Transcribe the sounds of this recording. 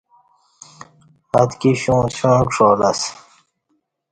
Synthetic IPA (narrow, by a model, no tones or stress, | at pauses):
ɐt̪kiɕũːɕõːkʂoːlɐs